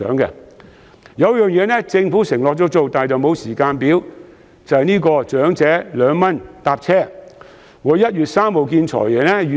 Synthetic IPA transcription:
œ̰ː˨˥ŋɡɛ̰˧ | jɐ˨˧wjœː˨˩ŋjɛː˨˧nɛ˥t͡sɪ˧ŋfu˨˥sɪ˨˩ŋlɔː˨k̚t͡sɔ˨˥k̚t͡so˨wt̪aː˨˩jt͡sɐ˨wmo˨˧wsiː˨˩kaː˧npiː˨˥w | t͡sɐ˨hɐ˨jniː˥kɔː˧t͡ʃœː˨˥ŋt͡sɛː˨˥lœː˨˧ŋmɐ˥nt̪aː˧p̚t͡sʰɛː˥ | ŋɔː˨˧jɐ˥t̚ɥyː˨t̚saː˥mho˨wk̬iː˧nt͡ʃʰɔ̰ː˨˩jjɛː˨˩nɛ˥jy˨

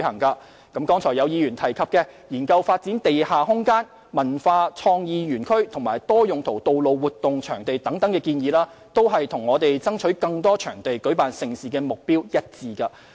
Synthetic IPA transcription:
hɐ˨˩ŋkaː˧ | kɐ˨˥mkɔː˥ŋt͡sʰɔː˨˩jɐ˨˧wjiː˨˧ɥyː˨˩nt̪ʰɐ˨˩jkʰɐ˨p̚kɛː˧jiː˨˩nkɐ˧wfaː˧t̚t͡si˨˥nt̪e˨jhaː˨ɦʊ˥ŋkaː˥n | mɐ˨˩nfaː˧t͡sʰɔː˧ŋjiː˨˧jyː˨˩nkʰɵ˥ɥt̪ʰʊ˨˩ŋmaː˨˩jt̪ɔː˥jʊ˨ŋt̪ʰo˨˩wt̪o˨wlo˨˧wwuː˨˩t̪ːʊ˨ŋt͡ʃʰœː˨˩ŋt̪e˨jt̪ɐ˨˥ŋt̪ɐ˨˥ŋkɛː˧kiː˧njiː˨˧laː˥ | t̪o˥wɦɐ˨jt̪ʰʊ˨˩ŋɔː˨˧t̪e˨jt͡sɐ˥ŋt͡ʃʰɵ˨˥ɥkɐ˧ŋt̪ɔː˥t͡ʃʰœː˨˩ŋt̪e˨jkɵ˨˥paː˨nsɪ˨ŋsiː˨˩kɛː˧mʊ˨k̚piː˥wjɐ˥t̚t͡siː˨˩kɐ˧

